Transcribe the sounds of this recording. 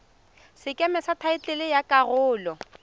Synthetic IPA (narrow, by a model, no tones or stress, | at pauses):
sɪkʼɛmɛsatʰaɪt͡ɬʼɪlɪjakʼarʊːlɔ